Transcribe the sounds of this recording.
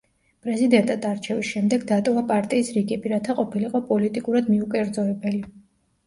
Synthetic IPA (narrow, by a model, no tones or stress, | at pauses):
pʼɾɛzid̪ɛnt̪ʼad̪aɾt͡ʃʰɛvisʃɛmd̪ɛɡd̪at̪ʼɔvapʼaɾt̪ʼiːsɾiɡɛbiɾat̪ʰaqʼɔpʰiliqʼɔpʼɔlit̪ʼikʼuɾad̪miukʼɛɾd̪zɔɛbɛli